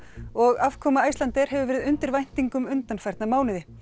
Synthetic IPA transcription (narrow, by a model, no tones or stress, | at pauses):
ɔɣav̥kʰɔːmaajst̪lant̪ɛɾ̥ɦɛvʏvɛːɾɪðʏnt̪ɪɾvajn̥t̪iŋkʏmʏnt̪anfaɾt̪namaːwnɪðɪ